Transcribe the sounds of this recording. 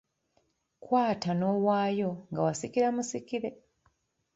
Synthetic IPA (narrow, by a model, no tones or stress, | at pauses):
kwaːtano̞ːwaːjo̞ŋɡawasikiɾamusikiɾe